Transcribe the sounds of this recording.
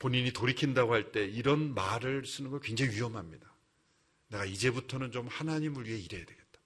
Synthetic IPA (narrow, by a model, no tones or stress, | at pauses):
poɲiɲitoɾikʰindaɡohaɭt͈e̞iɾʌnmaɾɯɭs͈ɯnɯnɡʌkwe̞nd͡ʑeŋiɥiʌmɦamɲida | ne̞ɡaid͡ʑe̞butʰʌnɯnt͡ɕomhanaɲimɯɭɥiɦe̞iɾe̞jadwe̞ɡe̞t̚t͈ḁ